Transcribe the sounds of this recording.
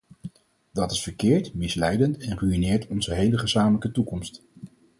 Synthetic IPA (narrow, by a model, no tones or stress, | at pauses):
dɑtɪsfəɹkɪːɹtmɪslɛjdəntɛnryinɪːɹtɔnzəɦejləχəzaːmələkətukɔmst